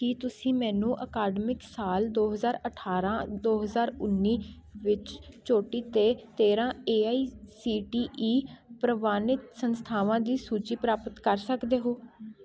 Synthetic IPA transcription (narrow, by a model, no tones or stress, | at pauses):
kiːt̪ʊsĩːmɛːnũːʔəkaːɖmɪksaːld̪oːɦəzaːɾəʈʰaːɾãːd̪oːɦəzaːɾʊnːiː | ʋɪt͡ʃt͡ʃoːʈiːt̪eːt̪eːɾãːeːaːiːsiːʈiːʔiːpɾəʋaːnɪt̪sənst̪ʰaːʋãːd̪iːsuːt͡ʃiːpɾaːpət̪kəɾsəkd̪eːɦoː